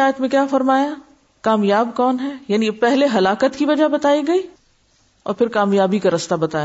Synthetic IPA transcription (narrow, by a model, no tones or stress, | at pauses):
aːjət̪mẽkjaːfɐɾmaːja | kaːmjaːbkɔːnɦɛjaːnipɛɦleɦɐlaːkət̪kiʋɐd͡ʒabɐt̪aːiɡɐiː | ɔ̰ːɾpʰɪɾkaːmjaːbikaɾɐst̪abɐt̪aːja